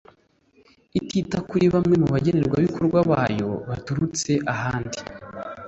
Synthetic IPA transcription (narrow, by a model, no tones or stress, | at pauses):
ititakuɾiβamŋe̞muβaɟe̞ne̞ɾɡwaβikoɾɡwaβaːjo̞βatuɾut͡se̞ʔaɦaːndi